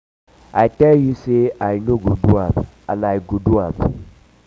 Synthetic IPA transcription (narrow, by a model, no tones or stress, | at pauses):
ajtɛljuseajnoɡuduab | a̰lajɡuduab